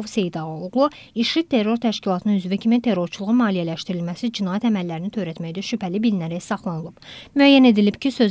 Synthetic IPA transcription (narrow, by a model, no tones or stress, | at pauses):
ovse̞jd̪ɑʁoɣlˠu | iʃɾit̪ʰe̞rːo̞ɾt̪ʰæʃcilˠɑt̪ʰɯnɯnyzvicʰimit̪ʰe̞ɾːo̞ɾt͡ʃʰulˠuʁumɑːlijælæʃt̪iɾilmæsid͡ʒinɑːjæt̪æmælːæɾinit̪ʰø̞jɾæt̪mæjd̪æʃypʰælibilnæɾæsɑχlˠɑnɯlˠɯbmyæjːæne̞d̪ilib̥cʰisø̞z